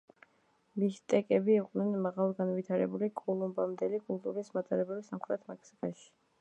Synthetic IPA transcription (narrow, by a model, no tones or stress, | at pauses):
mist̪ʼɛkʼɛbiːqʼnɛnmaʁalˠɡanvit̪ʰaɾɛ̰bulikʼɔlˠumbamd̪ɛlikʼulˠt̪ʼuɾismat̪ʼaɾɛbɛbisamχɾɛt̪ʰmɛkʰsikʼaʃi̥